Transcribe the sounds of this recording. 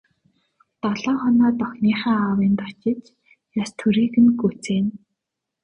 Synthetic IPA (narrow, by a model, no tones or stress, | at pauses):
t̪ɔɮɔːχɔnɔːt̪ɔxniːχaːawiːnt̪ɔt͡ɕɪ̆t͡ɕ | jast̪ʰɵɾiːɣɘ̆nɡut͡seːn